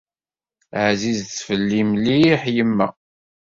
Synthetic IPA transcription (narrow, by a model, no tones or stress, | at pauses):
ʕzizθfəlːimliħjəmːæ̰